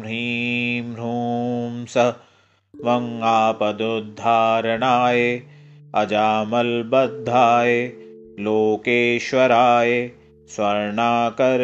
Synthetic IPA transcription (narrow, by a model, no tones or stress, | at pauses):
ɾimɾuːmsɐ | ʋɐŋaːpɐd̪od̪ʱːaːɾɐɳaːje | ɐd͡ʒaːmɐlbɐd̪ʱːaːje | loːkeːʃʋɐɾaːje | swɐɾɳaːkɐɾ